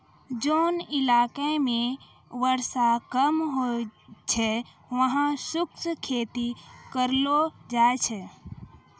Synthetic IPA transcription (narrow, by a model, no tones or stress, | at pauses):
d͡ʒoːnɪlaːkemẽ | ʋəɾsakəmɦot͡ʃʰɛ | ʋəɦãsʊkskʰeːt̪ikəɾlod͡ʒaːt͡ʃʰɛ